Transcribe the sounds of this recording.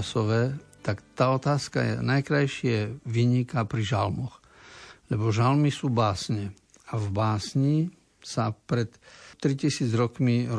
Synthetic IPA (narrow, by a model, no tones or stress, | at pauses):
sɔʋɛːt̪akt̪aːɔt̪aːska̰jɛ̰najkɾajʃɪɛʋiːɲikapɾiʒalmɔx | lɛbɔʒalmisuːbaːsɲɛ | avbaːsɲi | sapɾɛt̪t̪ɾicisiːd͡zɾɔkmi